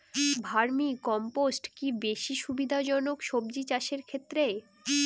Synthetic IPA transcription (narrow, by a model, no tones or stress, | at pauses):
bʱaɾmikɔmposʈkibeʃiʃubid̪ʱad͡ʑɔnokʃobd͡ʑit͡ɕaʃeɾkʰet̪ːɾe